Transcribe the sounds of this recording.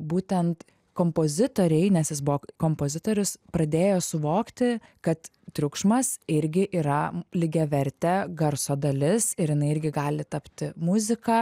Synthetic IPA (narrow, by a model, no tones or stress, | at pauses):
buːt̪ʲɛnt̪ | koːmpoːzʲɪt̪oːɾʲɛɪnʲɛsjɪsbʊʋoːkoːmpoːzʲɪt̪oːɾʲʊspɾɐd̪ʲeːjoːsʊʋoːkt̪ʲɪkɐt̪ | t̪ʲɾʲʊkʃmɐsɪɾʲɡʲɪʔiːɾɐlʲɪɡʲɛʋʲɛɾʲt̪ʲɛɡɐɾsoːd̪ɐlʲɪsɪɾjɪnɐɪɪɾʲɡʲɪɡɑːlʲɪt̪ɐpʲt̪ʲɪmʊzʲɪkɑ